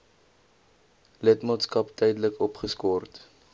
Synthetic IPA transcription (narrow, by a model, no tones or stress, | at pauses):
lətmɑːtskɐptɛjdələkɔpχəskɔrt